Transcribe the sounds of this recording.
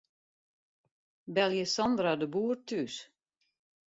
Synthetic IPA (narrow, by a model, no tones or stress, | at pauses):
bɛlˠjəsɔndradəbuːərtys